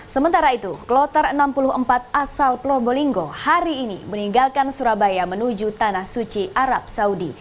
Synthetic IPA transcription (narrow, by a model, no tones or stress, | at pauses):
səmənt̪aɾait̪uklɔt̪ərənampulʊɦəmpat̪̚asalplɔrboliŋɡohaɾiːnḭməniŋɡalkansuɾabajamənud͡ʒut̪anahsut͡ʃiʔaɾap̚saudi